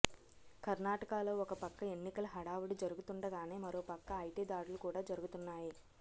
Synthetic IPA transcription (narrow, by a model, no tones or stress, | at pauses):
kɐɾnaːʈɐkaːloːɔkɐpɐkːɐe̞nːikɐlɐɦɐɽaːʋuɽid͡ʒɐɾuɡut̪uɳɖɐɡaːne̞ːmɐɾo̞ːpɐkːɐɐjʈiːd̪aːɽulukuːɽaːd͡ʒɐɾuɡut̪unːaːji